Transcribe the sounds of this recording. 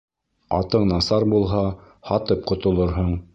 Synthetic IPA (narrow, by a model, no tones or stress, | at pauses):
ɑ̰t̪ɤɴnɑsɑɾbulˠɦɑ | hɑt̪ɤp̚qŏt̪ŏlˠɤɾɦɤɴ